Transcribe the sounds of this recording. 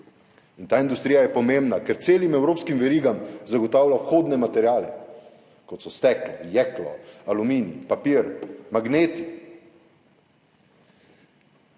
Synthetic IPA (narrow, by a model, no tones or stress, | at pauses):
int̪aːind̪ust̪ɾijajɛpɔmembnakɛɾt̪seːlimɛwɾoːpskimʋɛɾiːɡamzaɡɔt̪aːwlʲawxoːd̪nɛmat̪ɛɾjaːlɛ | kɔt̪sɔst̪ɛklɔjɛklɔ̰alumiːnipapiːɾmaɡneːt̪i